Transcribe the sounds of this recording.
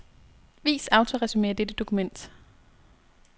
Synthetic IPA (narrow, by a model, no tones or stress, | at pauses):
ʋḭːsɑ̈ʊt͡sʰo̝ʁɛsyme̝̰ːɐd̥ed̥əd̥o̝kʰumen̰d̥